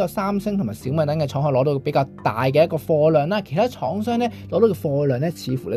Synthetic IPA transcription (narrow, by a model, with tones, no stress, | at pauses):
jaː˨˧saː˥msɪ˥ŋt̪ʰʊ˨˩maː˨˩siː˨˥wmɐ˨˧jt̪ɐ˨˥ŋkɛː˧t͡ʃʰɔː˨˥ŋhɔ˧lɔː˨˥ɾo˨˧wpe˨˥jkaː˧wt̪a̰ː˨jk̬ɛː˧jɐ˥kːɔː˧fɔː˧lœː˨˩ŋlaː˥kʰe˨˩jt̪ʰaː˥t͡ʃʰɔː˨˥ŋsœː˥ŋnɛː˥lɔ˨˥do˧wkɛ˧fɔː˧lœː˨ŋnɛ˥t͡sʰiː˨˧fuː˨˩lɛ˥